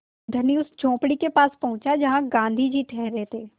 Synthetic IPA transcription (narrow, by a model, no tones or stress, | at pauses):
d̪ʱɐniʊsd͡ʒʱõːpɽikepaːspɐɦʊ̃t͡ʃad͡ʒɐɦãɡãːnd̪ʱid͡ʒiʈʰɛːɦɾeɦt̪ʰeː